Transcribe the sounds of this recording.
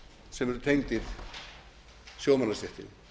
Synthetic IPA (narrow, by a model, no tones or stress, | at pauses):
sɛmɛɾʏt̪ʰejŋt̪ɪɾ̥ | sjoːwmanast̪ɛht̪ɪ̰n